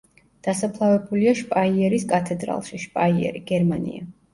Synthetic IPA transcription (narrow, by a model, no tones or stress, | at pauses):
d̪̥asapʰlˠavɛbuliaʃpʼaiɛɾiskʼat̪ʰɛd̪ɾa̰lˠʃiʃpʼaiɛ̰ɾiɡ̥ɛɾmanḭa̰